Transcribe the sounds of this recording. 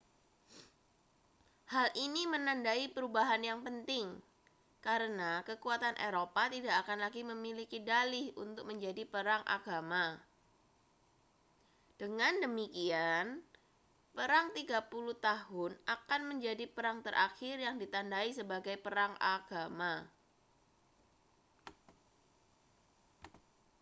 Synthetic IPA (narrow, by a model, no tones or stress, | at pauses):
halʔinimənandaipəɾubaɦanjaŋpənt̪ɪŋ | kaɾənakəkuat̪anʔeɾopat̪idaʔːkanlaɡiməmilikidalɪhunt̪ʊk̚məɲd͡ʒadipəɾaŋʔa̰ɡama | d̥əŋandəmikian | pəɾaŋt̪iɡapuluht̪aɦʊnakanməɲd͡ʒadipəɾaŋt̪əɾʔaxɪrjaŋdit̪andaisəbaɡajpəɾaŋaɡ̥ama